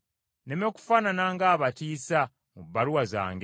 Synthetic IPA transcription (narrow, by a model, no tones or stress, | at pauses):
nemeku̥fananaŋɡaːβatiːsa | mubːaɾuwaza̰ːŋɡ